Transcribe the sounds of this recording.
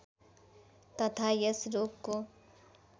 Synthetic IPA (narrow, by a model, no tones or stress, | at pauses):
t̪ʌt̪ʰajesɾokkːo